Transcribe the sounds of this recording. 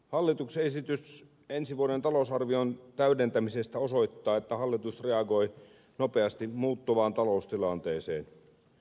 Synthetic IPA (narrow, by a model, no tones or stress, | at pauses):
hɑlːit̪uksesit̪ys | e̞nsiʋuoɾent̪ɑlosɑrʋiont̪æydent̪æmisest̪æo̞so̞it̪ːɑːet̪ːæhɑlːit̪usre̞ɑɡo̞j | nope̞ɑst̪imuːt̪ːoʋɑːnt̪ɑlo̞ust̪ilɑnt̪eːsḛːn